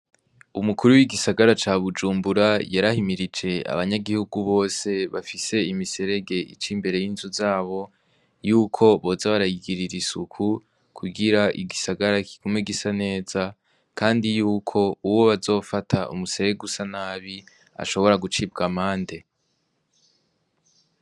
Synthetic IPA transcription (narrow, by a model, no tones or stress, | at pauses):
umukʰuɾuwiɡisaɡaɾat͡ʃaːβud͡ʒuːmbuɾajaɾahimiɾid͡ʒe̞a̰βaɲaɡihuɡuβo̞ːse̞βafise̞imise̞ɾe̞ɡe̞ʔḭt͡ʃimbe̞ɾe̞jinzuzaːβo̞ | juːkʰo̞βo̞ːzaβaɾajiɡiɾiɾisukʰu | kʰuɡiɾaʔḭɡisaɡaɾakʰi̥ɡ̥umeɡisane̞ːz̥a | kʰaːndijuːkʰo̞uwo̞βazo̞ːfatʰaṵmuseɾeɡusanaːβi | a̰ʃo̞βo̞ɾaɡut͡ʃiːb̚ɡamaːnde̞